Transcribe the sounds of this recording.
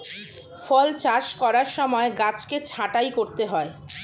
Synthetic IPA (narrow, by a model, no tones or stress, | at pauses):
fɔlt͡ɕaɾʃkɔɾaɾʃɔmɔeɡat͡ɕket͡ɕʰaʈajkoɾt̪eɦɔe